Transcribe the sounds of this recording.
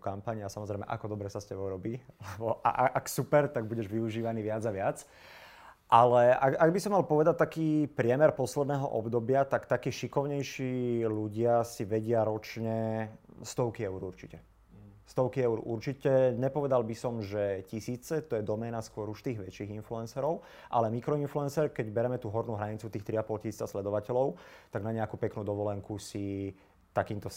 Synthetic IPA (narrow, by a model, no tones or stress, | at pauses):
kampaɲasamɔzɾɛɪmɛ̰ʔa̰kɔd̪ɔbɾɛsascɛbɔɾɔbiːlɛbɔʔa̰ʔaʔaksupɛɾt̪aɡ̚buɟɛʒʋiuʒiːʋaniːʋɪad͡zaʋɪat͡s | ʔalɛaɡaɡbisɔmːalpɔʋɛd̪at̚t̪akiːpɾɪɛmɛɾpɔslɛd̪nɛːɦɔ̰ʔɔbd̪ɔbɪat̪akt̪akiːʃikɔʊɲɛjʃiːluɟɪasiʋɛɟɪaɾɔt͡ʃɲɛst̪ɔʊkiɛʊɾuɾt͡ʃicɛ | st̪ɔʊkiɛʊuɾuɾt͡ʃicɛɲɛpɔʋɛd̪albisɔmʒɛcisiːt͡sɛt̪ɔjɛd̪ɔmɛːnaskʊɔɾuʃt̪iːɣʋɛt͡ʃiːɣinfluɛnsɛɾɔʊ | ʔalɛmikɾɔinfluɛnsɛɾkɛɟbɛɾɛmɛt̪uːɦɔɾnuːɦɾaɲit͡sut̪iːxt̪ɾiapɔlcisiːt͡saslɛd̪ɔʋacɛlɔʊt̪aɡnaɲɛakuːpɛknuːd̪ɔʋɔlɛŋkusi | t̪akiːnt̪ɔ